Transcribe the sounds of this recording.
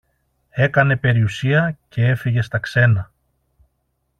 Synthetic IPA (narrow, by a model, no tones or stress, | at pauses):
e̞kɐne̞pe̞ɾiusiɐce̞e̞fiʝe̞st̪ɐkse̞nɐ